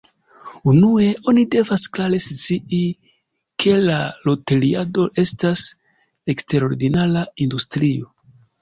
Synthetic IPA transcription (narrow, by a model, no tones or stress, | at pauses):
unue̞o̞nide̞vasklaɾe̞st͡sii | kʰe̞lalo̞te̞liado̞ʔe̞stas | ekste̞ɾo̞ɾɡinalaindustɾio̞